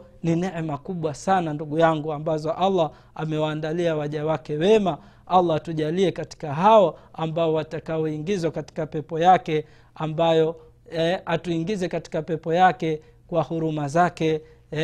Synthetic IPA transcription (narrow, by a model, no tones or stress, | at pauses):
ninɛʕmakuɓwasananduɠujaŋɡuambazɔʔalːa | amɛwaːndaliawaʄawakɛwɛma | alːatuʄaliɛkati̥kaɦaɔambaɔwatakaɔiŋɡizwakati̥kapɛpɔjakɛ | ambajɔ | atuiŋɡizɛkati̥kapɛpɔjakɛ | kwahuɾumazakɛ